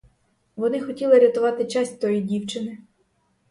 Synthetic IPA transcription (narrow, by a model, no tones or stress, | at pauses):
ʋɔnɪxɔtʲilˠɪɾʲɐt̪ʊʋɑt̪ɪt͡ʃɑsʲtʲt̪ɔjidʲiwt͡ʃɪnɪ